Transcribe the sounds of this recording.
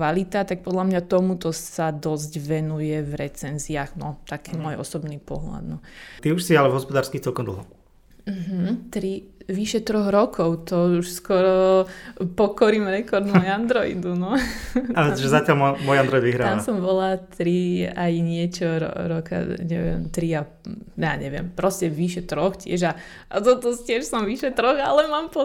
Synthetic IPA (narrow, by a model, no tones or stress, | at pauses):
ʋalit̪at̪ak̚pɔd̪lamɲat̪ɔmut̪ɔsad̪ɔzɟʋɛnujɛvɾɛt͡sɛnziaɣnɔt̪akʰiːmɔjʔɔ̰sɔbnipɔɦla̰d̪nɔt̪iuʃsialɛvɦɔspɔd̪aːɾskixt͡sɛlkɔmd̪l̩ˠɦɔ | m̩ɦ̩t̪ɾiʋiʃɛt̪ɾɔɣɾɔkʰɔʊt̪ɔuʃskɔɾɔ | pɔkɔɾimɾɛkɔɾd̪mɔjand̪ɾɔḭd̪unɔaɾɛt̪ɔʒɛzacɪalmɔmɔjand̪ɾɔid̪ʋiɦɾaːaasɔmbɔlat̪ɾiajɲɪɛt͡ʃɔɾɔ̰ɾɔka̰ɲɛʋɪɛ̰mt̪ɾia | ja̰ːɲɛʋɪɛ̰mpɾɔscɛʋiʃɛt̪ɾɔxcɪɛʒa | ʔat̪ɔt̪ɔscɪɛʃsɔmʋiʃɛt̪ɾɔɣa̰lɛmaːmpɔ